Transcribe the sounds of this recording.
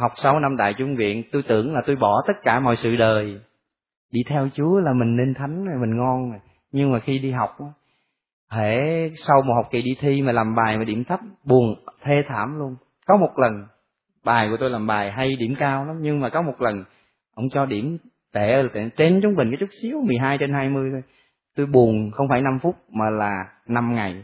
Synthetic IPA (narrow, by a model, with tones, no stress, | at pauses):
ha˨˩wk͡p̚sa˧wna˧mɗ̪a̰ː˧˨jt͡ɕʊ˧˦ŋ͡mvḭ˧˨ənt̪u˧jt̪ɨ̰˧˩əŋlaː˨˩t̪o˧jɓɔ˧˩t̪ə˦˥t̚kaː˧˩mɔ̰˧˨jsɨ̰˧˨ɗəː˨˩j | ɗi˧t̪ʰɛ˧wt͡ɕu˨˦əlaː˨˩mï˨˩ŋ̟ni˧nt̪ʰa˨˦jŋ̟zo˨˩jmï˨˩ŋŋɔ˧no˨˩j | ɲɨ˧ŋmaː˨˩xi˧ɗi˧ɦa˨˩wk͡p̚ʔaː˨˦ | he˧˩sa˧wmaː˨˩ha˨˩wk͡p̚ki˨˩ɗi˧t̪ʰi˧maː˨˩laː˨˩mɓaː˨˩jmaː˨˩ɗḭ˧˩əmt̪ʰə˦˥p̚ɓu˨˩ənt̪ʰe˧t̪ʰaː˧˩mlu˧ən | kɔ˨˦mo˨˩t̚lə˨˩n | ɓaː˨˩jku˧˩ət̪o˧jlaː˨˩mɓaː˨˩jɦa˧jɗi˧˩əmkaː˧wla˨˦mɲɨ˧ŋmaː˨˩kɔ˨˦mo˨˩t̚lə˨˩n | ʔə̰˧˥wŋ͡mt͡ɕɔ˧ɗi˧˩əm | t̪e˧˩˨e˧˨˩t͡ɕe˧nt͡ɕʊ˨˦ŋ͡mɓï˨˩kɔ˨˦t͡ɕʊ˦˥t̚si˨˦əwmɨ˨˩əjɦaː˧jt͡ɕe˧nhaː˧jmɨ˧əjt̪ʰo˧j | t̪o˧jɓu˨˩ənxə˧wŋ͡mfaː˧˩jna˧mfu˦˥t̚maː˨˩laː˨˩ | na˧mŋa˨˩j